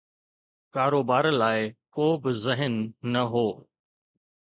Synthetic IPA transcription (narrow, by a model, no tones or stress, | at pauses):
kaːɾoːbaːɾlaːɪkoːbɪzɪɦənːɐɦoː